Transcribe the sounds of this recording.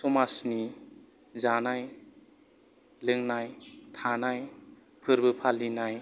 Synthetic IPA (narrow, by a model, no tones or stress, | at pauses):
sɔmasni | zanaj | lɯŋnajtʰanaj | pʰɯɾbɯpʰalinaj